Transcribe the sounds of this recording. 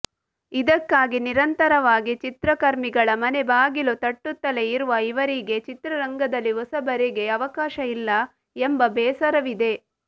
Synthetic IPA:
id̪ɐkːaːɡiniɾɐnt̪ɐɾɐʋaːɡit͡ʃit̪ɾɐkɐɾmiɡɐɭɐmɐne̞baːɡilut̪ɐʈːut̪ːɐle̞iɾuʋɐiʋɐɾiɡe̞t͡ʃit̪ɾɐɾɐŋɡɐd̪ɐlːiɦɔsɐbɐɾiɡe̞ɐʋɐkaːʃɐilːɐ | embɐbɛːsɐɾɐʋid̪e̞

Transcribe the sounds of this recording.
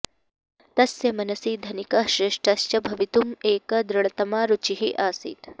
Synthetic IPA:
t̪ɐsjɐmɐnɐsiːd̪ʱɐnikɐʃɾɪʂʈʰɐst͡ʃɐbʱɐʋit̪umeːkɐd̪ɾɐɭɐt̪ɐmaːɾut͡ʃiɦiʔaːsḭːt̪

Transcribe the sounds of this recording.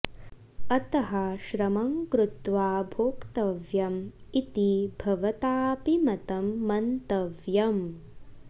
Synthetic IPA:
ɐt̪ɐɦɐʃɾɐmɐŋkɾut̪ʋaːbʱoːkt̪ɐʋjɐmit̪ibʱɐʋɐt̪aːpimɐt̪ɐmːɐnt̪ɐʋjɐm

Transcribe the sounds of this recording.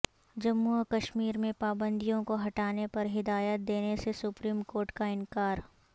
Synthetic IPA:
d͡ʒɐmːukɐʃmiːɾmẽpaːbə̃nd̪ijõkoɦɐʈaːnepɐɾɦɪd̪aːjət̪̚d̪eːnesesʊpɾiːmkoːɾʈkaɪ̃nkaːɾ

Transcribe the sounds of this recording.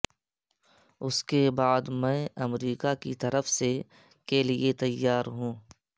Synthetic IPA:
ʊskebaːd̪mɛ̃ːɐmɾiːkakit̪ɐɾəfse | keliet̪ɐjːaːɾɦũː

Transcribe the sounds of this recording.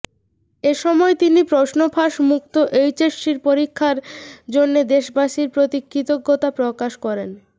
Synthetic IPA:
eʃɔmɔet̪inipɾoʃnopʰaʃmuk̚t̪oʔejt͡ɕeʃiɾpoɾikʰːaɾd͡ʑonːed̪eʃbaʃiɾpɾot̪ikʰːɾit̪oɡːot̪apɾokaʃkɔɾen

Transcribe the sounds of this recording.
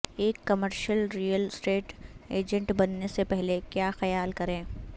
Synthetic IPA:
eːkːɐməɾʃəlɾiːjəlsʈeːʈeːd͡ʒə̃ɳʈbɐnːesepɛɦlekjaːxɐjaːlkɐɾẽː

